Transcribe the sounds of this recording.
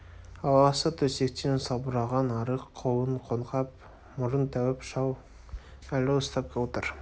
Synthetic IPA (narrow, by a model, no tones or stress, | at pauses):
ɑwɑsət̪ʰɵsek̚t̪ensɑbʊɾɑʁɑnɑɾəqʰːowˠəɴqʰonqɑp̚ | mʊɾənt̪ʰæwɪpʃɑw | ælɪəst̪ɑp̚kʲeot̪əɾ